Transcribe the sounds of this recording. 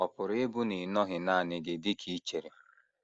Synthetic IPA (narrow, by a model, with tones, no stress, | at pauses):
ɔ˨pʊ˨ɾɪ˦bu˦ni˨nɔ˦ɦɪ˨naː˦˨nɪ˨ɡɪ˨dɪ˦kʰi˦t͡ʃe˨ɾe˨